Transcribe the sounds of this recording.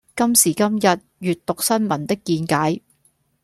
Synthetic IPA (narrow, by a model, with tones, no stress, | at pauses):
kɐ˥msiː˨˩kɐ˥mjɐ˨t̚jyː˨t̚t̪ʊ˨k̚sɐ˥nmɐ˨˩nt̪ɪ˥kːiː˧nkaː˨˥j